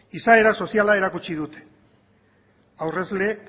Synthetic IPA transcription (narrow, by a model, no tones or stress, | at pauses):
isae̞ɾaso̞sialae̞ɾakut͡ʃiðut̪e̥ | awre̞zle̞